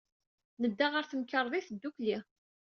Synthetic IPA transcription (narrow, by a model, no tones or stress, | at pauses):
nəd̪ːaʁəɾθəmkəɾˤðˤiθəd̪ːukli